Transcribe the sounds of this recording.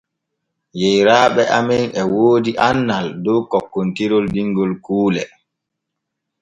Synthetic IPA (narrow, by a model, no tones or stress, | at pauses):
jɛjɾaːɓɛʔamɛnɛwoːdiʔanːaldɔːkɔkːɔntiɾɔldiŋɡɔlkuːlɛ